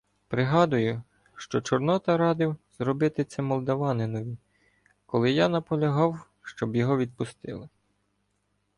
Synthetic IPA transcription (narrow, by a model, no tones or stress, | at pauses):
pɾɪɦɑd̪ʊjʊ | ʃt͡ʃɔt͡ʃɔrnɔt̪ɐɾɑd̪ɪwz̥ɾɔbɪt̪ɪt̪sʲɛmɔlˠd̪ɐʋɑnɪnɔʋʲi | kɔlˠɪjɑnɐpɔlʲɐɦɑw | ʃt͡ʃɔbjɔɦɔʋʲid̪̚pʊst̪ɪ̰lˠɪ